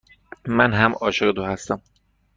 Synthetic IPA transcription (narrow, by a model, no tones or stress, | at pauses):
mænɦæmɒːʃeɣet̪ʰohæst̪æm